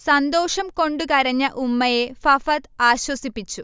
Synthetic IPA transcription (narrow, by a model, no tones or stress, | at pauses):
sɐnd̪o̞ːʂɐmko̞ɳɖukɐɾɐɲːɐʔumːɐje̞fɐfɐt̪aːɕwɐsipːit͡ɕːu